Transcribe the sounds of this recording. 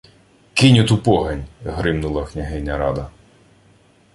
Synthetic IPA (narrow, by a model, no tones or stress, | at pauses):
kɪnʲʊt̪upɔɦɐnʲɦɾɪmnʊlˠɐknʲɐɦɛnʲːɐɾɑd̪ɐ